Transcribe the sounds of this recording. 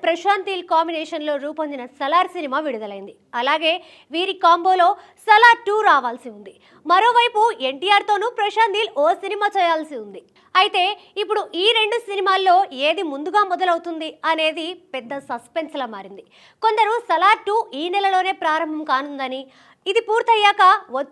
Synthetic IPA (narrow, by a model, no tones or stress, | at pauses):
pɾɐʃaːnt̪iːlkaːmbinɛːʂɐnlo̞ːɾuːpɐɲd͡ʒinɐsɐlaːɾsinimaːʋiɽud̪ɐlɐjind̪i | ɐlaːɡe̞ː | ʋiːɾikaːmbo̞ːlo̞ː | sɐlaːʈːuːɾaːʋaːlsiund̪i | mɐɾo̞ːʋɐjpue̞ɳʈiːjaːɾt̪o̞ːnupɾɐʃaːnt̪iːluoːsinimaːt͡ʃɛjaːlsiund̪i | ɐjit̪e̞ː | ipːuɽuʔiːɾe̞ɳɖusinimaːlːo̞ːeːd̪imund̪uɡaːmɔd̪ɐlɐwut̪und̪iɐne̞ːd̪ipɛd̪ːɐsɐspe̞nslɐːma̰ːɾind̪i | ko̞nd̪ɐɾusɐlaːɾʈːuːiːnɛlɐlo̞ːne̞ːpɾaːɾɐmbʱɐmkaːnund̪ɐniː | d̪ipuːɾt̪ʰɐjːaːkɐʋo